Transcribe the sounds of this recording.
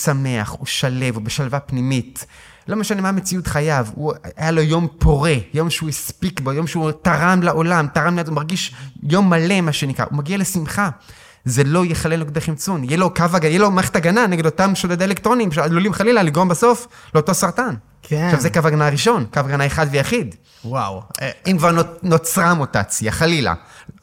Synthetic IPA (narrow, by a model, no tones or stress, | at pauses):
same̞a̰χuʃale̞vobeʃalvapnimit | lo̞meʃane̞maːme̞t͡siutχajavuajalojo̞mpʰo̞ʁe̞jo̞mʃeuispikbojo̞mʃeutaʁamlaʔo̞lamtaʁammeatumaʁɡiʃjo̞mːale̞maʃenikʁa̰ʔumaɡiale̞simχa | ze̞lo̞jeχalenlokd̪eχimt͡sunjelo̞kavaɡajelo̞maeχet̪aɡananeɡed̪o̞t̪amʃod̪ad̪eelekt̪ʁo̞nimʃead̪lulimχalilaliɡʁo̞mbaso̞fleot̪o̞saʁt̪an | ʃavzekavaɡanaʁiʃo̞nkavaɡanaeχad̪vejaχid̪ | wawimkvaʁnno̞t͡sʁamota̰t͡sja̰χalila̰